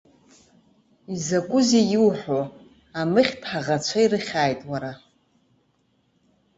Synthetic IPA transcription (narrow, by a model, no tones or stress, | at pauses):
izakʷʼʊzijiwħʷo | amɨχʲtʰħaʁat͡ɕʷʰairɨχʲaːjtʼwaɾa